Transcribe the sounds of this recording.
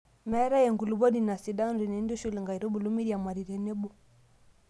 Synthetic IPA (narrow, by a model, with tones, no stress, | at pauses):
mɛ˦ɾa˦jɛ˨ŋɡu˨lu˨bɔ˦ni˨na˨si˨da˦nɾi˨nɛ˨˦ndu˦ʃu˦lɛ˨ŋɡa˨i˨ɾɔ˦bu˨lu˦mi˦ɾi˨a˨ma˨ɾi˨ɾɛ˨nɛ˦bɔ˦